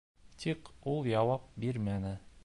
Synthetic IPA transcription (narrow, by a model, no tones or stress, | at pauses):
t̪ʰiqulˠjɑwɑp̚biɾmænɘ